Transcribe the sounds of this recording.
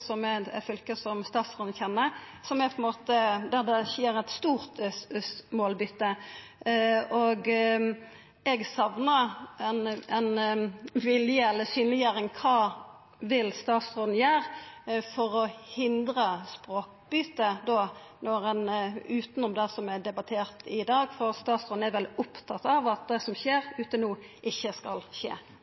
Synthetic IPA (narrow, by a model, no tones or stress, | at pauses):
sɔmɛfʏlkəsɔmst̪ɑːt̪sʁoːd̪n̩çɛnːə | sɔmɛpʰɔɛnmoːt̪əd̪æd̪ɛçjeːɾɛt̪st̪uːʁt̪ | moːlbʏt̪ːə | oɡ | ɛɡsɑʋnəɛnɛnʋɪljəɛlːəsyːnlɪjæːɾɪŋkʰɑː | ʋɪlst̪ɑːt̪sʁoːd̪n̩jæːɾfɔʁɔhɪnd̪ʁəspʁoːk̚bʏt̪ːəd̪oːnɔʁɛnʉːt̪nʊmd̪ɛsɔmɛd̪ɛbɑt̪ʰeːʁt̪ɪd̪ɑːɡfɔʁst̪ɑːt̪sʁoːd̪n̩æɾʋɛlʊpt̪ʰɑt̪ːɑʋɑt̪̚d̪ɛsɔmçeːɾʉːt̪ənuː | ʔɪçːəskɑlçḛː